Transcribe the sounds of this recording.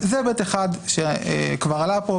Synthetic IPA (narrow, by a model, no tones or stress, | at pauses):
zebet̪eχad̪ʃḛkvaʁalapo